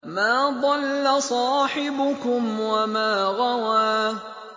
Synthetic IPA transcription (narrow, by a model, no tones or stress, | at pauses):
maːd̪ˤɑlːasˤɑːħɪbʊkʊmwamaːɣawaː